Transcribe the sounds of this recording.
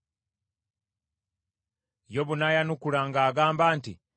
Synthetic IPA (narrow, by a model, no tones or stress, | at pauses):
jo̞βunajanukulaŋɡaːɡaːmbaːntḭ